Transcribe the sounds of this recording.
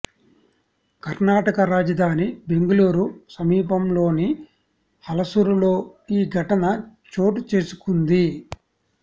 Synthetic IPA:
kɐɾnaːʈɐkɐɾaːd͡ʒɐd̪ʱaːnibe̞ŋɡuluːɾusɐmiːpɐmlo̞ːni | hɐlɐsuɾulo̞ːiːɡʱɐʈɐnɐt͡ʃo̞ːʈut͡ʃe̞ːsu̥kund̪i

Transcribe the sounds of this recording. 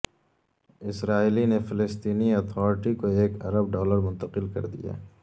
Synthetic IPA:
ɪsɾaːilinefɪlɪst̪iːniɐt̪ʰɔːɾɪʈikoeːkɐɾəb̚ɖɔːləɾmʊ̃nt̪əqɪlkɐ̰ɾd̪ḭja̰

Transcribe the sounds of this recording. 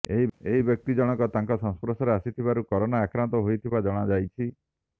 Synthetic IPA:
eɦieɦibjɔk̚t̪id͡ʒɔɽ̃ɔkɔt̪aŋkɔsɔ̃ŋspɾɔsɔɾeasit̪ʰibaɾukɔɾɔnaːkɾant̪ɔɦojt̪ʰibad͡ʒɔɽ̃ad͡ʒajt͡ʃʰi

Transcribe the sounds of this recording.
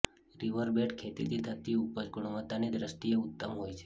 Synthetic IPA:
ɾiʋəɾbeʈkʰet̪it̪ʰid̪ʰʱət̪ːiupəd͡ʒɡuɽ̃umət̪ːanid̪ɾəsʈ̪ieut̪ːəmɦojt͡ʃʰe̥

